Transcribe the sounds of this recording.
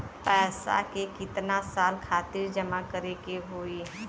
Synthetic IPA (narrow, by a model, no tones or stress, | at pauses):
pɛːsa̰kekɪt̪nasaːlkʰaːt̪ɪɾd͡ʒɐmakəɾekeɦoːiː